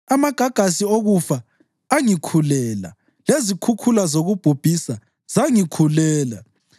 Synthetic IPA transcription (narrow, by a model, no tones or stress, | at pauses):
amaɡ̥ʱaɡ̥ʱas̬ioɣufaː | ŋikʰulɛːla̰ | lezikʰukʰulazoɣub̥ʱub̥ʱisa | zaŋikʰulɛːla̰